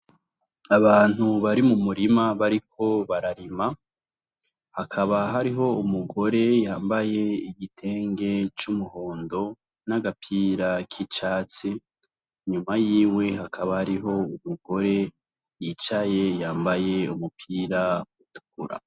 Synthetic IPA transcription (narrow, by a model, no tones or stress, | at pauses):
aβaːn̥huβaɾimumuɾimaβaɾikʰo̞βaɾaɾima | hakʰaβaɦaɾiɦo̞umuɡo̞ɾe̞jaːmbaje̞iɡitʰe̞ːŋɡe̞t͡ʃumuho̞ːndo̞ | naɡapʰiːɾakʰit͡ʃaːt͡si | ɲumajiːwe̞ɦakʰaβahaɾiɦo̞umuɡ̥o̞ɾe̞ | jit͡ʃaje̞jaːmbaje̞umupʰiːɾautu̥kuɾa̰